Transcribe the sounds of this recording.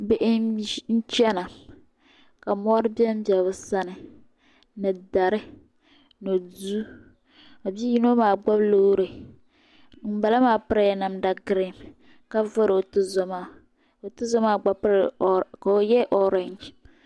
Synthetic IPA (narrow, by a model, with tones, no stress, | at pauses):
be˨ʔn̩˦t͡ʃɛ˦na˨ | ka˨mɔ˦ɾɨ˦bi˦ɛ˦m̩˦bɛ˨bʊ˦sa˦nɨ˨ | nɨ˨da˨ɾɪ˦ | no˨du˦ | a˨bi˦ji˦no˦maː˨ɡ͡ba˦blo˦ɾe˨ | m̩˦ba˨la˦maː˨pɨ˦ɾa˦ja˨na˨mda˨ɡɾe˦˨m | ka˦vo˦ɾo˨tʊ˦zɔ˦ma˦˨ | o˨tʊ˦zɔ˦maː˦˨ɡ͡ba˦pɾka˨o˨jɛ˦ʔɔ˦ɾa˦nd͡ʒ